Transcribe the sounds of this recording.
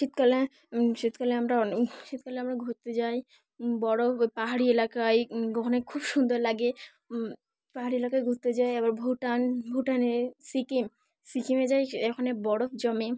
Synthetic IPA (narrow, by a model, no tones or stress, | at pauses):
ʃit̪kale | ʃit̪kaleamɾaɔʃit̪kaleamɾaɡʱuɾt̪ed͡ʑaj | bɔɽopaɦaɽielakajkɔkʰonekʰubʃund̪oɾlaɡe | paɦaɾielakajɡʱuɾt̪ːed͡ʑajɛbaɾbʱoʈanbʱowʈanesikim | sikimed͡ʑajɛkʰonebɔɽofd͡ʑɔme